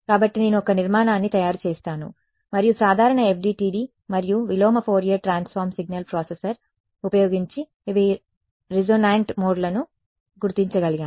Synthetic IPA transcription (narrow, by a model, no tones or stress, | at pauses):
kaːbɐʈːine̞ːnuɔkɐniɾmaːnaːnːit̪ɐjaːɾut͡ʃɛːst̪aːnṵ | mɐɾijusaːd̪ʱaːɾɐɳɐep̚ʰɖiːʈiːɖiː | mɐɾijuʋiloːmɐpʰoːɾijɐʈɾaːnspʰaːɾmsiɡnɐlpɾoːsesɐɾ | upɐjoːɡiɲt͡ʃi | ʋi | ɾid͡ʒoːnaːɳʈmoːɖlɐnu | ɡuɾt̪iɲt͡ʃɐɡɐliɡaː